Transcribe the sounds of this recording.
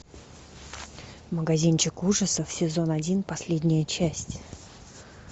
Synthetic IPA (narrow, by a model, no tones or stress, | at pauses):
məɡɐzʲint͡ɕɪkuʐəsəfsʲɪzo̞nɐdʲinpɐsʲlʲedʲnʲɪjət͡ɕæsʲtʲ